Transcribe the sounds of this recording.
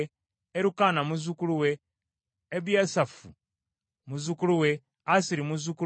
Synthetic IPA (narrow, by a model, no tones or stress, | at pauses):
eɾukanamuzukuluweː | βjasafu | muzukuluwe | asiɾimuzuku